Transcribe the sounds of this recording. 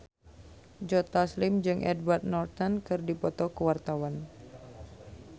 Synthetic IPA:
d͡ʒɔt̪aslɪmd͡ʒɨŋʔɛ̰dwart̪̚nɔrt̪ankɨrdipɔt̪ɔkəwart̪awan

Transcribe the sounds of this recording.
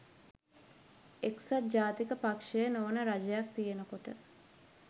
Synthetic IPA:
eksat̪̚d͡ʒaːt̪ikəpakʂejənoːnəɾad͡ʒɐjak̚t̪ijenəkoʈə

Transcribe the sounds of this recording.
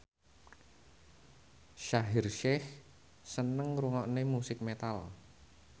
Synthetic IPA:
ʃaɦɪrʃɛh | sənəŋɾuŋɔʔnemusɪk̚met̪al

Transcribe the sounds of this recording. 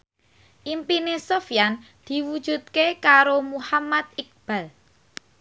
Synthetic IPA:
ʔimpinesofjan | d̪̥i̤wud̥ʒ̥ṳt̪̚kekaɾomuhamad̪̚ɪk̚b̥a̤l

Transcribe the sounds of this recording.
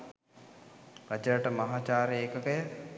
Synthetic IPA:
ʋæt͡ʃəɾəʈəmaɦaːt͡ʃaːɾeeːkəkəjə

